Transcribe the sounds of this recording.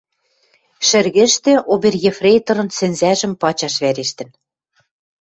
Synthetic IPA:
ʃɘ̆rɣɘ̆ʃt̪ĕʔoβerjefrejt̪ɤ̆ɾɤ̆nsɘ̆nzæʒɘ̆mpɑt͡ɕɑʃβæɾeʃt̪ɘ̆n

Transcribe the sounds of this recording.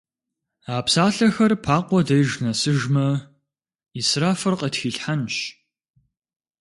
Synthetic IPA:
aːpsaːɬɐxɐrpʰaːqʷɔdɐjʒnɐsɨʒmɐ | israːfɨrqətxiːɬħanʃ

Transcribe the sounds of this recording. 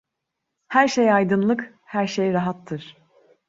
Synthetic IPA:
hæɾʃejajd̪ɯnlˠɯk | hæɾʃejɾaɦat̪ʰːɯɾ̥

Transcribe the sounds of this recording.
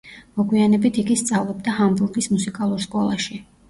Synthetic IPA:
mɔɡwianɛbit̪ʰiɡist̪sʼavlˠɔb̚d̪ahambuɾɡismusikʼalˠuɾskʼɔlˠa̰ʃi

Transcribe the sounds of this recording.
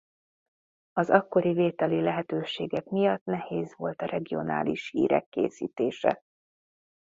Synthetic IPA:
ɒzɒkːo̞ɾiveːt̪ɛlilɛɦɛt̪øːʃeːɡɛkmijɒt̪nɛheːzʋo̞lt̪ɒɾɛɡio̞na̰ːliʃhḭːɾɛ̰kːḛːsḭːt̪eːʃɛ̰

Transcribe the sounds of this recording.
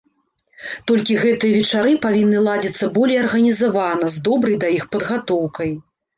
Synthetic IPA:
t̪ɔlʲkʲiɣɛt̪ɨjɐvʲɛt͡ʂaɾɨpavʲinːɨlˠad͡zʲit̪sːɐbɔlʲejɐrɣɐnʲizavanɐzd̪ɔbɾɐjd̪ɐjixpɐd̪ɣat̪ɔwkɐj

